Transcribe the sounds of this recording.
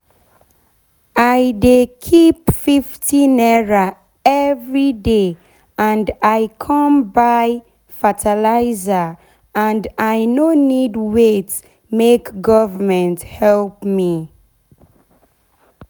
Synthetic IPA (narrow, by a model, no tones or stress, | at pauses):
ajdekʰipfiftʰĩnɛɹa | ɛvɹide | ãndajkʰɔ̃mbaj | fatʰalaɪzə | ãndajnonidwet | mekɡɔvəmɛ̃nthɛlpmi